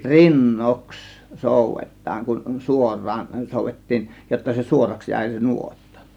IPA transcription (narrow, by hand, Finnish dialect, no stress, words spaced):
rinːoks soˑuʋetˑɑːŋ kun suorˑɑːn soˑuʋetːiːn jotːɑ se suorɑks jæˑe̝ se nuotːɑ